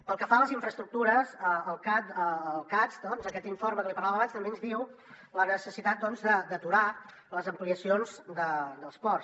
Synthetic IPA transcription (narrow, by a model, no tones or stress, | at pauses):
pəlˠkəfaləziɱfɾəst̪ɾuk̚t̪uɾəzəəlˠkat̪əːlˠkat͡sd̪ɔnzəkɛt̪iɱforməkəlipəɾrlaβəːβanst̪əmbeənzðiw | lənəsəsit̪at̪̚d̪ɔnzd̪əd̪ət̪uɾa | ləzəmpliəsionzd̪əd̪əlˠspɔrs